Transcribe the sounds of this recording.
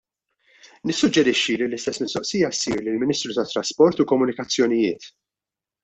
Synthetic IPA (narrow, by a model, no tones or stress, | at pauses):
nɪsːʊd͡ʒːɛɾɪʃːililɪst̪ɛsːmɪst̪ɔʔsijɐsḭːɾlɪlmɪniːst̪ɾut̪ɐt̪ːɾɐspɔɾt̪ukɔmːʊnɪkɐt͡sːjɔnɪjɪ̰ːt̪